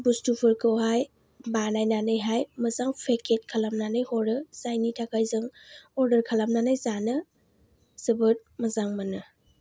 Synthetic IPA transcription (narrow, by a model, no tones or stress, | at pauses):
bustupʰɯɾkʰɯwɦaj | banajnanɯjɦajmɐzaŋpʰekʰet̚kʰalamnanɯjhɔɾɯzajnitʰakajzɯŋɔɾdəɾkʰalamnanajzanɯ | sɯbɯt̚mɐzaŋmanɯ